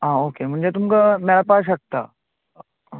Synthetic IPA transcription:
ɦãːokem̤ə̃ɳd͡ʑet̪umkamjaɾapaːʃək̚t̪a̰

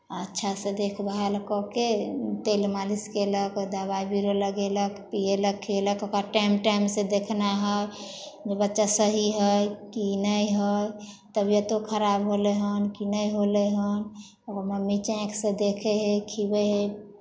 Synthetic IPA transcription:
ətːʃʰased̪ekʰbaɦaləkɔket̪elmaliskeləkd̪abaibiɾoləɡeləkpieləkʰːeləkokaʈajmʈajmsed̪ekʰnaɦəj | d͡ʒebətːʃasəɦiɦəjkinəjɦəj | t̪əbjet̪okʰəɾabɦoleɦənkinəjɦoleɦən | oməmːit͡ʃɛ̃ksẽd̪ekʰeɦekʰibeɦe

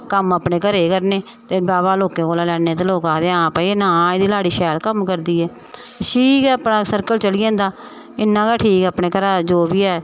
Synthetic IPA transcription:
kəmapneːkəɾeːkəɾneː | t̪eːbaːbaːloːkẽːkoːlaːlɛːɽeːt̪eːloːkaːd̪eːãːpaːienãːeːd̪iːlaːɽiːʃɛːlkəmkəɾd̪iːɛː | ʃʰiːkɛːəpnãːsəɾkəlt͡ʃəlɪːãːnd̪aː | ɪnːãːkaːʈʰiːkɛːpneːkəɾaːd͡ʒoːbiːɛː

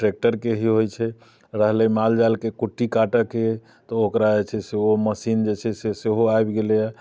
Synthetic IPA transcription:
ʈɾek̚ʈəɾkeɦiɦojt͡ʃʰɛ | ɾəɦlɛmald͡ʒalkekuʈːikaʈəke | t̪ɔokɾad͡ʒet͡ʃʰɛseoməsind͡ʒet͡ʃʰɛseseɦoajbɡelja

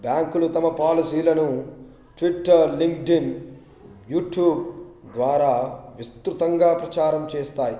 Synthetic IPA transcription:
bjaːŋkulut̪ɐmɐpaːlisiːlɐnu | ʈʋiʈːɐɾliŋkɖin | juːʈjuːbd̪ʋaːɾaːʋist̪ɾut̪ɐŋɡaːpɾɐt͡ʃaːɾɐmt͡ʃeːst̪aːji

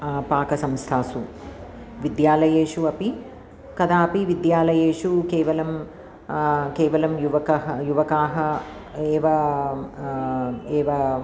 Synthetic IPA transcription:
paːkɐsɐmst̪ʰaːsu | ʋid̪jaːlɐjeːʃuɐpi | kɐd̪aːɐpiʋid̪jaːlɐjeːʂukeːʋɐlɐm | keːʋɐlɐmjuʋɐkɐɦɐjuʋɐkaːɦɐeːʋɐ | eːʋɐ

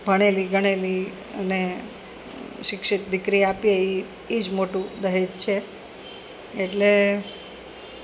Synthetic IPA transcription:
bʱəɽ̃eliɡəɽ̃eli | ə̰ne | ʃɪkʃɪt̪d̪ɪkɾiapjeiː | d͡ʒmoʈũd̪əɦett͡ʃʰe | eʈle

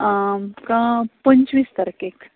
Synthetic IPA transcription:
kãpəɲt͡ɕʋist̪ɐɾkek

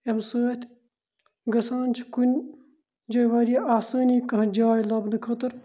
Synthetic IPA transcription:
emsəːt̪ʲ | ɡɐsaːnʲt͡ʃʰikunʲ | d͡ʒɐjʋɐɾijɐʔaːsɐːniːkɐɦd͡ʒaːjlɐbnɨkʰɐt̪ɨɾ

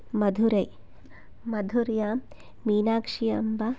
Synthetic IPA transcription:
mɐd̪ʱuɾɐj | mɐd̪ʱuɾja | miːnaːkʂijɐ̰mbɐ

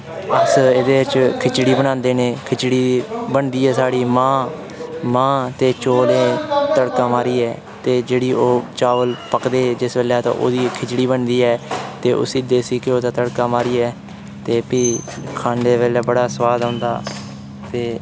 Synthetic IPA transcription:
əseːd̪eːt͡ʃkʰɪt͡ʃɽiːbəɽ̃ñãːnd̪eːneːkʰɪt͡ʃɽiːbəɳd̪iːɛːsaːɽiːmãː | mãːt̪eːt͡ʃoːlẽːt̪əɽkãːmaːɾiːɛː | t̪eːd͡ʒeːɽiːʔoːt͡ʃaːʋəlpəkd̪eːd͡ʒɪsʋeːlɛt̪ã̰ːʔo̰ːd̪iːkʰɪt͡ʃɽiːbəɳd̪iːɛːt̪eːʔʊ̰sid̪eːsiːkɪoːd̪aːt̪əɽkaːmaːɾiːɛː | t̪eːpiːkʰãːɳɖeːʋeːlɛːbəɽaːsəʋaːd̪õːnd̪a̰ː | t̪eː

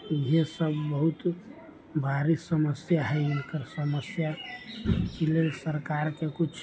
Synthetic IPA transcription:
jesəbːəɦut̪ | bʱaɾisəməsjaɦɛʊnkəɾsəməsja | kilesəɾkaɾkekut͡ʃʰ

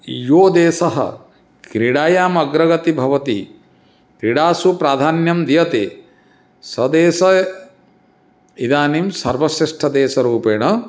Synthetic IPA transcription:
joːd̪eːsɐɦɐ̰ | kɾiɽaːjaːmɐɡɾɐɡɐt̪ibʱɐʋɐt̪ḭ | kɾiɽaːsupɾaːd̪ʱaːnjɐmd̪ijɐt̪eː | sɐd̪eːsɐ | id̪aːnimsɐɾʋɐsɾiʂʈʰɐd̪eːsɐɾuːpeːɳɐ

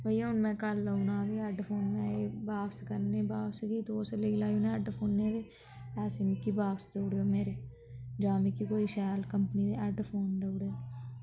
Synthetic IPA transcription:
bəiːãːʊnmɛ̃ːkələunãːd̪eːɛɖpʰoːnnɛ̃ːeːbaːfʰskəɾneːbaːpsɡiːt̪oːseleɡlaːunẽəɖpʰoːnːeːd̪eː | ɛːseːmɪkːibaːpsd̪əːɽeːoːmeːɾeː | d͡ʒaːmɪkːiːkoːiːʃɛːlkəmpəniːd̪eːɛɖpʰoːnd̪əːɽeːd̪eː

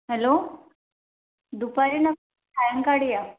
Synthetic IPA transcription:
ɦɛlo | d̪upaɾinə | tʰajəŋkaɽija

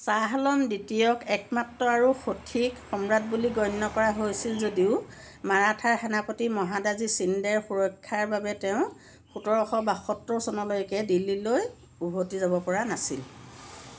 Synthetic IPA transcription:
saɦalɔmditijɔkɛkmatɹɔaɹuxotʰikxɔmɹat̚buliɡɔjnːɔkɔɹaɦojsilzodiʊ | maɹatʰaɹxanapotimɔɦadazisindɛɹxuɹɔkʰːaɹbabɛtɛʊ̃ | xutɔɹɔxɔbaxɔtːɹɔsɔnɔlojkɛdilːiloj | ubʱotizabɔpɔɹanasḭl

